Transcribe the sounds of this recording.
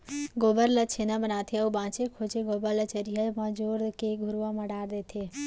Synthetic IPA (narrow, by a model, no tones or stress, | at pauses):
ɡobəɾlət͡ʃʰenãbənaːt̪ʰejaubãːt͡ʃekʰot͡ʃeɡobəɾlət͡ʃəɾijɦəmãd͡ʒoɾkeɡʱuɾʋamãɖaːɾd̪et̪ʰe